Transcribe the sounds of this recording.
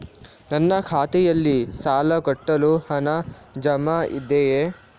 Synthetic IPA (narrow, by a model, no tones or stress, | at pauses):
nɐnːɐkʰaːt̪ɛjɐlːisaːlɐkɐʈːɐluhɐnɐd͡ʒɐmaḭd̪eje